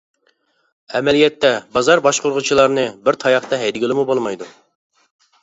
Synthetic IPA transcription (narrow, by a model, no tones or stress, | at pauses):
ɛmɛlijɛt̪ʰːɛbɑzɑɾbɑʃqʰʊɾʁʊt͡ʃʰilˠɑɾnɨbɪɾt̪ʰɑjɑχt̪ɛɦɛjd̪ɪɡʲɪlˠɪmubolˠmɑjd̪u